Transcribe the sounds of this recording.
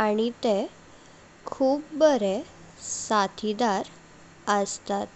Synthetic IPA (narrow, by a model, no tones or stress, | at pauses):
aɽ̃it̪e | kʰuːpbəɾe | sat̪ʰid̪aɾ | əst̪at̪